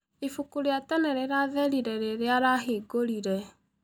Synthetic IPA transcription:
ifukuɾeatɛnɛɾeɾaðɛɾiɾɛɾeɾeaɾaɦeɡoɾiɾɛ

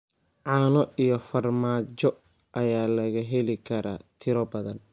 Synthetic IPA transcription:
ʕɑːnɔʔijɔfɐrmaːt͡ʃɔ | ʔɐjaːlɐɣɐɦɛlɪkʰɐɾʔaːt̪ʰɪɾɔbɐðɐn

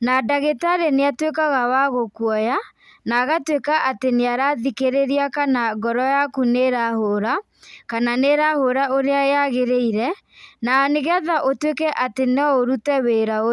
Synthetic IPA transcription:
nadaɣetaɾeneatwekaɣawaɣokwɔja | naɣatwekaʔateneaɾaðikeɾeɾiakanaɡɔɾɔjakuneɾahoɾa | kananeɾahoɾaoɾeaeaɣeɾeiɾɛ | naɔneɣɛðaʔotwekɛʔatenɔoɾutɛweɾao

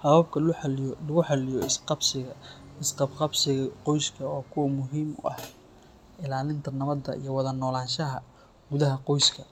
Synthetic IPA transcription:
hɐβɐb̚kʰɐllɐɣʊħɑlɪjɔɪsqɑbsɪɣɐɪsqɑbqɑbsɪɣɐqɔjskʰɐɔːkʰʊwɐmʊɦiːmʊ̰ʔɐ̰h | ɪlaːlɪnt̪ʰɐnɐβɐd̪ɐ̰ḭjɞwɑðɐnɔːlaːnʃɐɦɐ | ɡʊðɐɦɐqɔjskʰɐ

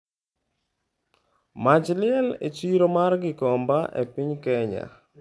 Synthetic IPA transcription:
mat͡ʃlɪɛlet͡ʃiɾomarɡɪkɔmbaʔḛpiɲkɛɲa̰

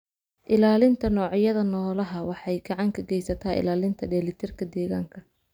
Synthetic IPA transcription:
ʔɪlaːlɪnt̪ʰɐnɔːʕjɐðɐnɔːlɐɦɐwɑħɑjɡɑʕɑŋkʰɐɡɛjsɐt̪ʰaːʔɪ̰laːlɪnt̪ʰɐɖɛːlɪt̪ʰɪrkʰɐd̪ɛːɣaːŋkʰɐ

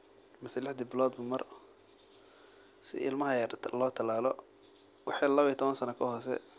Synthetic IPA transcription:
mɪsɛlɪħd̪ɪbɪlɔːd̪mʊmɐr | sɪ̰ʔɪ̰lmɐɦɐjɐrlɔːt̪ʰɐlaːlɔ | wɑħɛlɐβiːt̪ʰɔβɐnsɐnɐkʰɔɦɔːsɛ̰

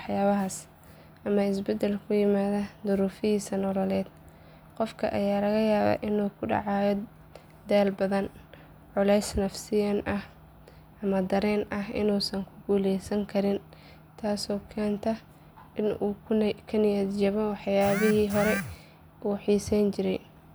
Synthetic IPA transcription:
wɑħjaːβɐɦas | ʔɐmɐɪsbɛd̪ɛlkʰʊjɪmaːðɐd̪ʊɾuːfɪjiːsɐnɔlɔlɛːd̪̥ | qɔfkʰɐ̰ʔɐ̰jaːlɐɣɐjaːβa̰ːʔɪnuːkʰʊɖɑ̰ʕɑːjɔ | d̪ɛːlbɐðɐn | ʕʊlɛjsnɐfsɪjɐnʔɐh | ʔɐmɐd̪ɐɾɛːnʔɐɦɪ̰nuːsɐŋkʰʊ̥ɡuːlɛjsɐŋkʰɐɾɪn | t̪ʰaːsɔːkʰɛːnt̪ʰɐ | ɪnuːkʰɐnɪjɐd̪d͡ʒɐβɔwħjaːβɪɦiːɦɔɾɛ | ʔuːħiːsɛnt͡ʃɪɾɛ̰j

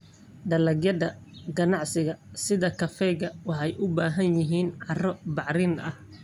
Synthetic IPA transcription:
ɖ̪ɐlɐɡjɐðɐɡɐnɑʕsɪɣɐsɪðɐkʰɐfɛɣɐwɑħɑjʔʊbaːɦɐnjɪɦiːnʕɑrɔbɑʕɾɪnɐh

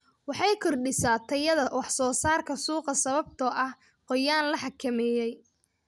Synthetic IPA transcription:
wɑħɑjkʰɔrɖɪsaːt̪ʰɐjɐðɐwɑħsɔːsaːrkʰɐsuːqɐsɐβɐb̚t̪ʰɐʔɐh | qɔjaːnlɐħɑkʰɐmɛːjɛj

